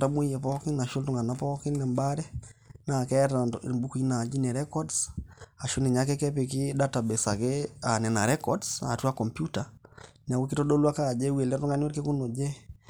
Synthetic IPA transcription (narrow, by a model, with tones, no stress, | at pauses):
ta˦bu˦jɛ˨pɔ˦kɪ˦na˨ʃu˦ltu˦ŋɡa˨na˦pɔ˦ki˦nna˨mba˦ɾɛ˦na˨kɛ˦tmbu˦ku˨i˦na˨d͡ʒi˦nɛ˨ɾɛ˦kɔ˦dsa˨ʃu˦ni˨ɲa˦kɛ˦kɛ˦pe˨k̬ɪ˦da˦ta˨bɛ˨sa˨ke˦a˨nɛ˨na˨ɾɛ˦kɔdsa̰˨tu˦a˦kɔ˨mpju˦ta˨n˨a˨wu˦kɪ˦to˦ɗo˦lwa˦ka˦˨d͡ʒɛ˦we˨lɛ˦tu˦ŋɡa˦n˦o˦ɾke˦ku˦no˨d͡ʒɛ˦